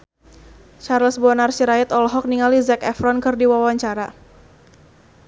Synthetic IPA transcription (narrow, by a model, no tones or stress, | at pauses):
t͡ʃarlsbɔanarsiɾaɪt̪ɔlɦɔk̚niŋalizɛkɛfɾɔnkɨrdiwawaɲt͡ʃaɾa